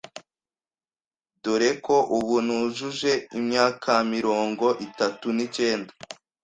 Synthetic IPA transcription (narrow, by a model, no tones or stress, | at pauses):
duɾe̞ko̞ʔuβunuʒuʒe̞imɲaːkʰamiɾo̞ːŋɡo̞ʔitatunit͡ʃe̞ːnda